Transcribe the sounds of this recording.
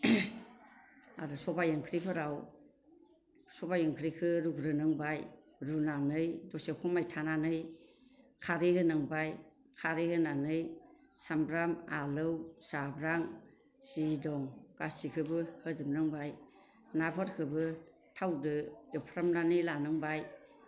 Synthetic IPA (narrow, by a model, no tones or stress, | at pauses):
a̰ɾusɔbajɯŋkʰɾipʰɯɾaw | sɔbajɯŋkʰɾikʰɯɾuɡɾɯnɯŋbaj | ɾunanɯjdɔsekʰɔmajtʰananɯj | kʰaɾehɯnɯŋbaj | kʰaɾehɯnanɯj | sambɾamalɯwsabɾaŋ | sidɔŋɡ̥asikʰɯbɯhɯzɯmnɯŋbaj | napʰɔɾkʰɯbɯ | tʰawdɯjewpʰɾamnanɯjlanɯŋbaj